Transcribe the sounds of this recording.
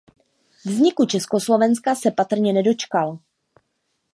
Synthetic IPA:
vzɲɪkut͡ʃɛsko̞slo̞vɛnskasɛpat̪r̩ɲɛnɛdo̞t͡ʃkal

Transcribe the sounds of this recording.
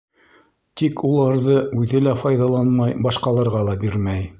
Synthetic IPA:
t̪ikʰulˠɑɾðɤʉðɘlæfɑjðɑlˠɑnmɑjbɑʃqɑlˠɑɾʁɑlˠɑbiɾmæj

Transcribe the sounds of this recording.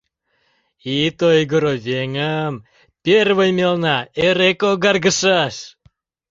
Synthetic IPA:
it̪ojɡoɾoβeŋəm | pʲerβəjmelnɑeɾekoɡɑrɣəʃɑʃ

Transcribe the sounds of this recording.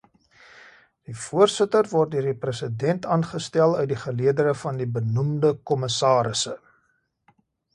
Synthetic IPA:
d̥ifuərsətərvɔrt̚døərdiprəsədɛntɑːnχəstælˠœɥt̚diχəliədəɾəfɐndibənumdəkɔməsɑːɾəsə

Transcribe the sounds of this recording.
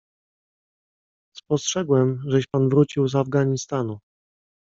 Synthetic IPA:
spɔstʂɛɡwɛmʐɛɕpanvɾut͡ɕiwzavɡaɲist̪anu

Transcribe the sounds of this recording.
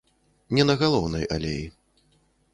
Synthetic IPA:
nʲɛnɐɣalˠɔwnɐja̰lʲej

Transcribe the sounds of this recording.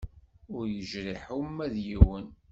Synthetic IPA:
ʊɾjəʒɾiħumːæðjiwən

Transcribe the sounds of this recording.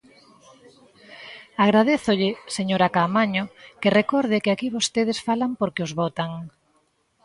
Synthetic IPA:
aɣ̞ɾað̞eθʊʎɪseɲoɾakamaɲokɪrekɔɾðɪkɪakiβost̪eð̞ɪsfalampoɾkɪozβɔt̪aŋ

